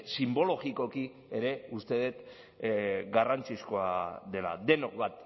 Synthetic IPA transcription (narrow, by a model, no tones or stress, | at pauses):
simbo̞lo̞ɣiko̞ki | eɾe̞ust̪e̞ð̞et̪ | ɡarant͡siskoaðe̞la̰d̪e̞nokβat̪